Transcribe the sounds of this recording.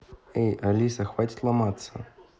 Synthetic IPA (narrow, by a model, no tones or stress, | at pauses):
ɛjʔalʲisɐxvatʲi̥t̪ʲlˠamat̪sːɐ̰